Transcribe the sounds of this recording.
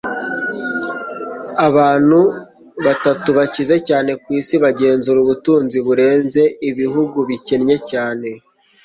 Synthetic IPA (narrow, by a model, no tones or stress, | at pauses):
aβaːn̥hu | βatatuβacize̞caːne̞kwiːsiβaɟe̞ːnzuɾuβutuːnziβuɾe̞ːnze̞iβiɦuɡuβicenɲe̞caːne̞